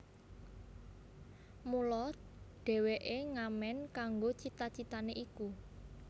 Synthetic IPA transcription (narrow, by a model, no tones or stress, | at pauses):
mulɔɖ̪̥ɛ̤weʔeŋamɛnkaŋɡot͡ʃit̪at͡ʃit̪aneʔiku